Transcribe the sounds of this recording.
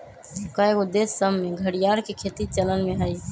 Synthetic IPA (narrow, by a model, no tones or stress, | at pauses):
kaekʊd̪esːəmmeɡʱəɽijaɾkekʰet̪it͡ʃələnmẽɦəj